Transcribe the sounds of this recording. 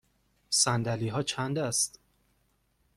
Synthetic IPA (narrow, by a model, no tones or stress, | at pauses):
sænd̪æliːɦɒːt͡ʃʰænd̪æst̪